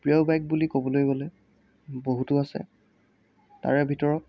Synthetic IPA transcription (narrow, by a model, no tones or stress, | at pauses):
pɹiɔbajk̚bulikobɔlojbɔlɛ | boɦutʊasɛ̰ | ta̰ɹɛbʱitɔɹɔt̚